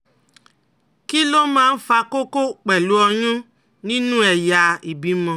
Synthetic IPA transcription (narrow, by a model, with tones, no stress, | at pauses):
ki˦lo˦mãː˦n̩˦fa˧ko˦ko˦k͡pɛ˨lu˦ɔ˧jũ˦ | nĩ˦nũ˦ɛ˨ja˧i˨bi˨˦mɔ̃˧˨